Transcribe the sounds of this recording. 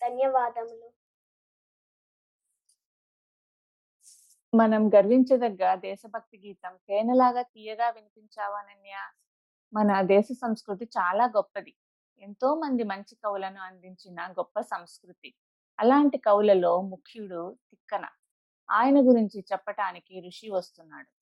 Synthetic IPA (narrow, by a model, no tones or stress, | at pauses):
d̪̥ɐnjɐʋaːd̪ɐmlu | mɐnɐmɡɐɾʋiɲt͡ʃɐd̪ɐɡːɐɾɐd̪ɛːʃɐbʱɐk̚t̪iɡiːt̪ɐmkɛːnɐlaːɡaːt̪iːjɐɡaːʋinipiɲt͡ʃaːʋaːnɐnjaː | mɐnɐd̪ɛːʃɐsɐmskɾut̪̬it͡ʃaːlaːɡɔpːɐd̪i | ent̪o̞ːmɐnd̪imɐɲt͡ʃikɐwulɐnuɐnd̪iɲt͡ʃinɐɡɔpːɐsɐmskɾut̪i | ɐlaːɳʈikɐwlɐlo̞ːmukʰːjuɽut̪ikːɐnɐ̰ | aːjɐnɐɡuɾiɲt͡ʃit͡ʃɛpːɐʈaːnikiɾuʂiʋɐst̪unːaːɽu